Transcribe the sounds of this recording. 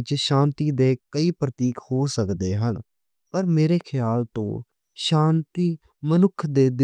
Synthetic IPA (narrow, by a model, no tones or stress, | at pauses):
t͡ʃʃãːnt̪iːd̪eːkəiːpɾət̪iːkhoːsəkd̪eːɦən | pəɾmeːɾeːkʰɪjaːlt̪õ̰ː | ʃãːnt̪iː | mənʊkʰd̪eːd̪